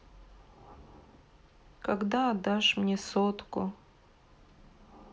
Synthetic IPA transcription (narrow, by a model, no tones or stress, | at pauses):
kaɡd̪aːd̪aʂmnʲesot̪kʊ